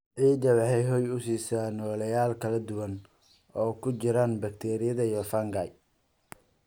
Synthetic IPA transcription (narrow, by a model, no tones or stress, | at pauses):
ʕiːd͡ʒɐwɑħɛjɦɔːjʊsiːsaːnɔːlɐjaːlkʰɐlɐd̪ʊwɐn | ɔːkʰʊt͡ʃɪɾaːnbɐk̚t̪ʰɛːɾɪjɐðɐijɔfɐŋɡaj